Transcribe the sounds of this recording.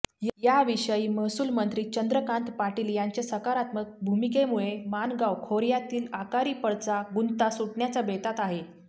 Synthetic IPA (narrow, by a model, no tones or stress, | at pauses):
jjaʋiɕəjiːməɦsuːlmənt̪ɾiːt͡ɕənd̪ɾəkãnt̪paʈiːljaɲt͡ɕasəkaɾat̪mək̚bʱumik̬emuɭemanɡawkʰoɾjat̪iːlakaɾiːpəɽt͡saɡunt̪asuʈɳjat͡sabet̪at̪aɦe